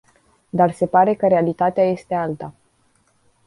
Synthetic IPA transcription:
d̪arse̞paɾe̞kəɾealit̪at̪eaje̞st̪e̞alt̪a

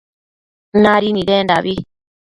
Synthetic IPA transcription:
naɾiniɾenda̰βi

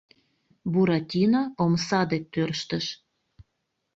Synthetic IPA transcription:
buɾɑtʲinoomsɑd̪et̪ːørʃt̪əʃ

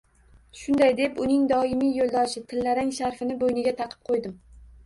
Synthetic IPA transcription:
ʃʊnd̪ajd̪e̞pʊnɪŋd̪ɒɪmijolˠd̪ɒʃɪt̪ʰɪlːaɾɪŋʃaɾfɪnɪbojnɪɡʲat̪ʰɑqʰɨ̥p̚qʰojd̪ɪm

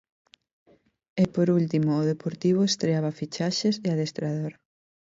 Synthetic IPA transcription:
epoɾult̪imoːðepoɾt̪iβ̞ʊest̪ɾeaβafit͡ʃaʃeseaðest̪ɾaðoɾ

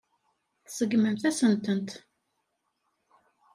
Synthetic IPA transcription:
θsəɡməmθæsənt̪ənt̪

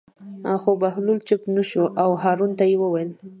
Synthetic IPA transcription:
xobahlult͡ʃɪpnaʃoʔawɦɑɾunt̪ajewəwajl

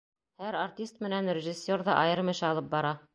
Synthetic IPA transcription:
hæɾartʲist̪̚mɘ̆nænrʲɪʒisʲːeɾðɑʔɑjɤɾmɘ̆ʃɘɑlˠɤp̚bɑɾɑ

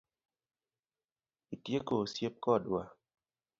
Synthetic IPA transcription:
itjekosjep̚kɔdwa

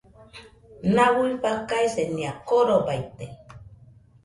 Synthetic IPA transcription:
nawipakajseniakoɾobajt̪e

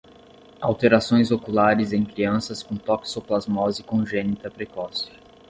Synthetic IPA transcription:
awt̪eɾasõj̃zokulaɾɪzẽj̃kɾiɐ̃sɐskõt̪ɔksoplazmɔzikõʒẽnit̪ɐpɾekɔs

